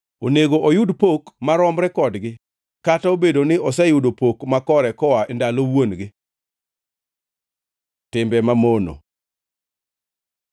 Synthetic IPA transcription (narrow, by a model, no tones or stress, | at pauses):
oneɡoʔojʊdpokmaɾɔmɾɛkɔdɡɪ | kataobedonɪʔɔsɛjʊdopokmakɔɾɛkɔwaʔɛndalowonɡɪ | tɪmbɛmamono̰